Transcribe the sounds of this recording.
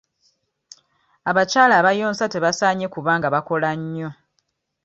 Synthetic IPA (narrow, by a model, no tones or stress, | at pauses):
aβacaːlaːβajo̞ːnsate̞βasaːɲe̞kuβaːŋɡaβako̞laɲːo̞